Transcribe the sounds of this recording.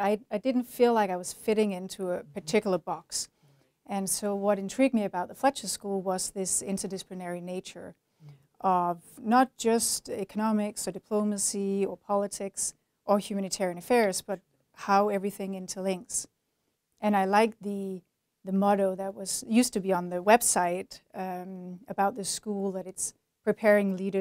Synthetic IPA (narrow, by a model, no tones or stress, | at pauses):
aɪaɪdɪdⁿn̩tfilaɪkaɪwʌz̥fɪɾɪ̃ŋɪ̃ntʰuəpə˞tʰɪkjl̩ˠə˞bɑks | ʔɨ̃nsoʊwʌɾɨ̃ntʰɹ̥iɡ̚d̚miɨbaʊt̪̚ðəflɛt͡ʃɨ̥skulˠwʌzðɪsɪ̰̃ntʰə˞dɨsə̥plɨnɛɹineɪt͡ʃə̰˞ | ʔʌvnət̚d̥ʒ̥ʌstɛkənɑmɪksə˞dɨpʰl̥õʊmɨsiə˞pʰɑlˠətʰɪks | ʔə˞hjʉmæñɨtʰɛɹiɨ̃nɨfɛɹzb̥ʌt̚ | haʊɛvɹiθɪ̃ŋɪ̃ntʰʉlɪ̃ŋks | ʔɨ̃ñaɪlaɪk̚ðɨ | ðɨmɑɾoʊðɨt̚wʌz̥jʉstɨbiə̃nðɨwɛb̥saɪɾ | ɨbaʊt̪̚ðɨskulˠðɨɾɨts | pʰɹ̥ipʰɛɹɪ̃ŋliɾə